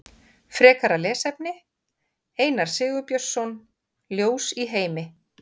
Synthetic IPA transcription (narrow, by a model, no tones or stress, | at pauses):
fɾɛːkaɾalɛːsɛpnɪ | eːjnaɾ̥sɪːɣʏpjœ̥sɔn | ljoːwsiɦeːjmɪ